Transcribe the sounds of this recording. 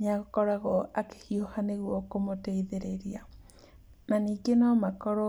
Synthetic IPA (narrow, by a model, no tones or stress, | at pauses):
ɲaɣkɔɾaɣɔake̥hiohaneɣwɔkomoteiðeɾeɾia | naniːɡenɔmakɔɾɔ